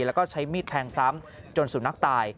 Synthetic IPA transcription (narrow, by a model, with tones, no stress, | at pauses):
lɛ˦˥wkɔː˥˩t͡ɕʰa˦˥jmiː˥˩t̪ʰɛː˧ŋsa˦˥m | t͡ɕo˧nsuː˩˦na˦˥k̚t̪aː˧j